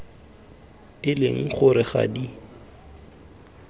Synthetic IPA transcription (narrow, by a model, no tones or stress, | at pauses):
ɪlɪŋ̩χʊɾɪχa̰di